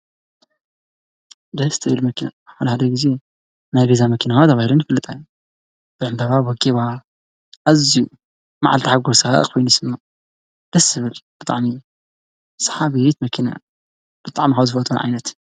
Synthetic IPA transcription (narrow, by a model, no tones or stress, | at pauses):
d̪ɐst̪ʰɐβilmɐkʰina̰ħad̪ɐħad̪ɐɡize | najbezamɐkʰinaxat̪ʰɐβahiɾɨnjfɨlːɨt̪ʼajːu | b̥ɨʕɨnd̪aβabwɔɡiβa | ʔaziju | maʕa̰lt̪iħaɡoɾsɨxa̰ʔkʰojnusɨnːo | d̪̥ɐsɨβɨlb̥ɨt̪ʼa̰ʕmi | sɐ̥ħaβijt̪mɐkʰina̰ | b̥ɨt̪ʼaʕmixawzɨfɐt̪ʼunʕa̰jnɐt̪